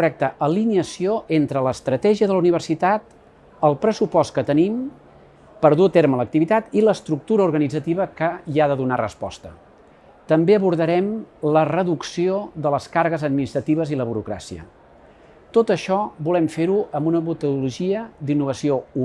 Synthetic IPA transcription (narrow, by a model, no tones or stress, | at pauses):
rɛk̚t̪əʔəliniəsioʔent̪ɾələst̪ɾət̪ɛʒiəðələuniβ̞ərsit̪at̪̚ | əlˠpɾəsupɔst̪̚kət̪ənim | pəɾðuət̪eɾmələk̚t̪iβit̪at̪iləst̪ɾuk̚t̪uɾəuɾɣənid͡zət̪iβəkəiaðəðunarə̰spɔ̰st̪ə | t̪əmbeəβuɾðəɾɛmlərəðuksioðələskarɣəzəd̪̚minist̪ɾət̪iβ̞əziləβuɾukɾa̰siə̰ | t̪ot̪əʃɔbulɛmfeɾuəmbunəmut̪uuluʒiəd̪inːuβ̞əsiou